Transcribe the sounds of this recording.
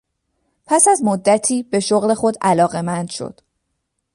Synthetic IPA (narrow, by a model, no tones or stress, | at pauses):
pʰæsæzmod̪ːæt̪ʰiːbe̞ʃoɣle̞xo̞d̪ælɒːɣe̞mænd̪̥ʃo̞̰d̪̥